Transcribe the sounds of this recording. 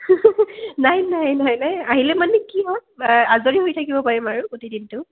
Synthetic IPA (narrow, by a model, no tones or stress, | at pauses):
najnajnajnajaɦilɛmanɛkiɦɔazoɹiɦojtʰakibɔpaɹimaɹʊkotidintʊ